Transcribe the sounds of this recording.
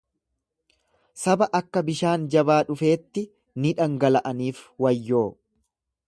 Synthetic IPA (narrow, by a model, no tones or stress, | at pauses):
sɐbɐʔɐkːɐbɪʃaːnd͡ʒɐbaːᶑʊfe̞ːt̪ːɪ | nɪᶑɐŋɡɐlɐʔɐniːfwɐjːo̞ː